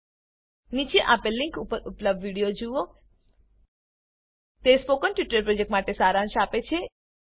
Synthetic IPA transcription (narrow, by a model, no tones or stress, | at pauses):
nit͡ʃeʔapeliŋkupəɾupləb̚dʋiɽijod͡ʒuo | t̪espokənʈʋiʈɾəɾpɾɔd͡ʒek̚ʈmaʈesaɾãnʃapet͡ʃʰe